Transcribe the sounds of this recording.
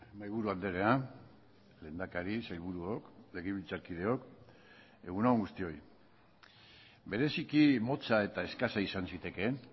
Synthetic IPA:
majβuɾuald̪eɾe̞a | le̞ːnd̪akaɾisajβ̞uɾuokle̞ɣiβilt͡saɾkið̞e̞o̞k | e̞ɣunauŋɡust̪io̞j | be̞ɾe̞sikimo̞t͡sae̞t̪ae̞skasaisansit̪e̞ke̞

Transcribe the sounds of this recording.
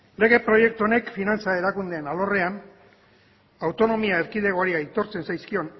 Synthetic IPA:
le̞ɣe̞pɾo̞je̞k̚t̪uo̞ne̞kfinant͡sae̞ɾakund̪e̞ːnalo̞re̞an | awt̪o̞no̞miaeɾkiðe̞ɣoaɾiajt̪o̞ɾt͡se̞nsajskio̞n

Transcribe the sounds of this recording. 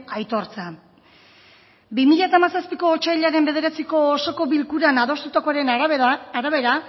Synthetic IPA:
ajt̪o̞ɾt͡sa | bimiʎat̪aːmasaspiko̞ːt͡ʃajʎaɾe̞mbe̞ðe̞ɾat͡siko̞ːso̞ko̞βilkuɾanaðo̞st̪ut̪ako̞aɾe̞naɾaβe̞ɾa

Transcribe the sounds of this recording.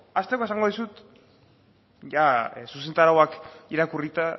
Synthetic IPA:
ast̪ekoe̞saŋɡo̞ðisut̪ | ʝasuse̞nt̪aɾawakiɾakurit̪a

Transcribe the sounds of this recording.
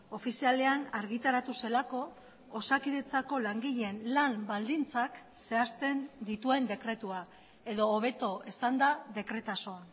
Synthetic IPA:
o̞fisiale̞anaɾɣit̪aɾat̪use̞lako̞ː | sakiðe̞t͡sako̞laŋɡiʎeenlambald̪int͡sak | se̞ast̪e̞nd̪it̪ue̞nd̪e̞kɾe̞t̪ua | e̞ðo̞ːβ̞e̞t̪o̞esand̪aðe̞kɾe̞t̪aso̞a

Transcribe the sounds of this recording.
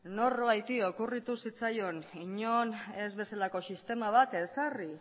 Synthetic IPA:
no̞rβajt̪io̞kurit̪usit͡sajo̞niɲo̞ne̞zβe̞salako̞sist̪e̞maβ̞at̪e̞sari

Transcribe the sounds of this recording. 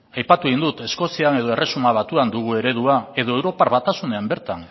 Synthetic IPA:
ajpat̪uɣind̪ut̪e̞sko̞siane̞ð̞o̞e̞re̞sumaβ̞at̪uand̪uɣ̞ue̞ɾe̞ð̞uae̞ð̞o̞e̞wɾo̞paɾβat̪asune̞ambe̞ɾt̪an

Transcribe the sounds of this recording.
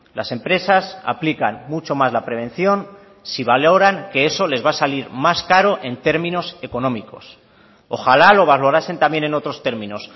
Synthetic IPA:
la̰se̞mpɾe̞sasa̰plikanmut͡ʃo̞mazlapɾe̞β̞e̞n̟θjo̞n | siβalo̞ɾaŋke̞e̞so̞le̞zβasaliɾmaskaɾo̞ʔe̞nt̪e̞ɾmĩno̞se̞ko̞nõ̞miko̞̰s | o̞xalalo̞βalo̞ɾase̞nt̪ambje̞ne̞no̞t̪ɾo̞st̪e̞ɾmĩno̞s

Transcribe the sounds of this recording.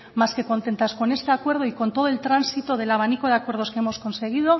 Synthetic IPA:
maske̞ko̞nt̪e̞nt̪asko̞ne̞st̪e̞akwe̞ɾð̞o̞iko̞nt̪o̞ð̞oelt̪ɾansit̪o̞ðe̞laβ̞aniko̞ð̞eakwe̞ɾð̞o̞skeemo̞sko̞nse̞ɣ̞ið̞o̞

